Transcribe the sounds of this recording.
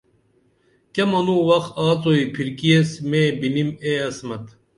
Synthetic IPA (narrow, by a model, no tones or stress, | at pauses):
kɐmɐnuːwɐxaːt͡soipʰiɾkiesmeːbinimeːɐsmɐt̪